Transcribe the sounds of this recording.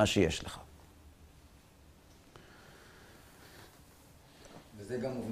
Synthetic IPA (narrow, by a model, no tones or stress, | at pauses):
aʃejeʃleχa | vezeɡamuvn